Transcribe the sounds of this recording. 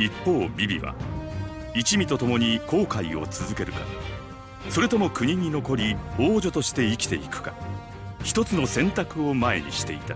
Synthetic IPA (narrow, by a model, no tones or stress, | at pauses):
ipːo̞ːbʲibʲḭβa̰ | it͡ɕimʲit̪o̞t̪o̞mo̞ɲ̟iko̞ːkaio̞̰t͡sɨzɨke̞ɾɯ̟ka̰ | so̞ɾe̞t̪o̞mo̞kɯ̟ɲ̟iɲ̟ino̞ko̞ɾʲioːd͡ʑo̞t̪o̞ɕi̥t̪e̞ikʲi̥t̪e̞̰ikɯ̟̥ka | çi̥t̪o̞t͡sɨno̞sẽ̞nt̪akɯ̟o̞mae̞̰ɲ̟ḭɕi̥t̪e̞it̪a